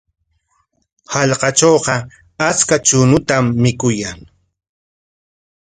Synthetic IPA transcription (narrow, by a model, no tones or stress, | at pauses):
hɑʎqɑt͡ʃoːɢɑ | at͡skat͡ʃʊnʊt̪amːɪkʊjaŋ